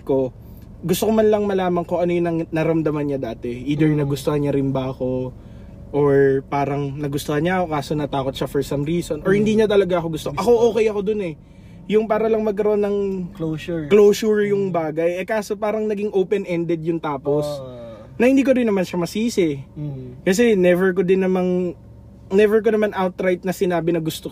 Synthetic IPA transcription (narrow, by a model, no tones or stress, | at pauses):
ko̞ | ɡʊst̪okomanlɐŋmɐlaːmɐŋkoʔɐnojʊnɐŋnɐɾɐmd̪ɐmɐnɲɐd̪aːt̪ɛʔiːd̪ɛɹnɐɡʊst̪ohɐɲaɾɪnbɐɐko̞ | ʔoɹpaːɾɐŋnɐɡʊst̪ohɐɲaʔɐko̞kaːso̞nɐt̪aːko̞t̪̚ʃafɔɹsɐmɾiːso̞nʔoɹhɪnd̪iːɲat̪̬ɐlɐɡaʔɐko̞ɡʊst̪oʔɐko̞ʔoːkɛjɐko̞d̪onɛ | jʊŋpaːɾɐlɐŋmɐɡ̚k̬ɐɾoʔonːɐŋ | kloːsʊɹjʊŋbaːɡɐjɛkaːso̞paːɾɐŋnɐɡɪŋʔoːpɛnʔɛnd̪ɛd̪jʊŋt̪aːpo̞s | nɐhɪnd̪iːk̬oɾɪnːɐmanʃɐmɐsiːsɪ | kɐs̬ɛnɛvɛɹk̬o̞d̪ɪnːɐmaŋ | nɛvɛɹk̬onɐmanʔawt̪ɾajt̪̚nɐsɪnaːbɪnɐɡʊst̪o